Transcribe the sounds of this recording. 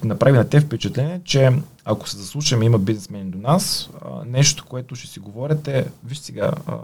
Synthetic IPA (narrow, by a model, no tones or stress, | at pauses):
nɐpɾavinɐt̪ɛfpɛt͡ʃɐt̪lɛniɛt͡ʃɛ | ako̥sɛzɐslˠuʃɐmimɐbiznɛsmɛnd̪onasnɛʃt̪o̥koɛt̪ʊʃɛ̥siɡovɔɾʲɐt̪ɛviʃt̪sɛɡa̰